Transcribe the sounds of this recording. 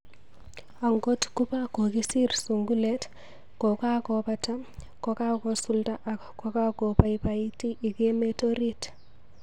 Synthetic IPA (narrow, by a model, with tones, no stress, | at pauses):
a˨ŋɡɔ˦tku˦pa˦ko˨kisi˦rsuŋɡulet | kɔ˨ka˦kɔ˨pata˦ | kɔ˨ka˦kɔsu˦lta˦ʔakkɔka˦ko˨pajpaiti˦ʔi˨kemetoɾit